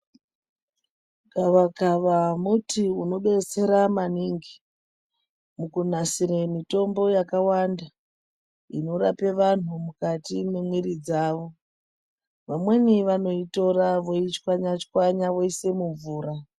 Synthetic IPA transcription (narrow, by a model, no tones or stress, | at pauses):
ɡaʋakaʋamutiuno̞ɓert͡se̞ɾamaniŋɡi | mukun̤asiɾemito̞mbo̞jakawanda | ino̞ɾape̞ʋan̤umukatimemwiɾid͡zaːʋo̞ | ʋamwe̞niʋano̞ito̞ɾaʋo̞it͡ʃkwaɲat͡ʃkwaɲaʋo̞ise̞muɱvuːra